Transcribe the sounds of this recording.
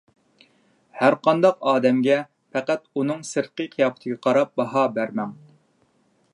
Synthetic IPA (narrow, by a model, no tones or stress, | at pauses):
hæɾqʰɑnd̪ɑqɑːd̪ɛmɡʲɛ | pʰæqæt̪unɨŋsɨɾqɨqʰijɑːpʰt̪ʰɨɡʲɛqʰɑɾɑp̚bɑɦɑbæɾmɛŋ